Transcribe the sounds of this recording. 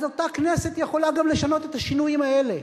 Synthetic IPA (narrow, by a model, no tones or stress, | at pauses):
zot̪aknese̞t̪jeχo̞laɡamle̞ʃano̞t̪et̪aʃinujimae̞le̞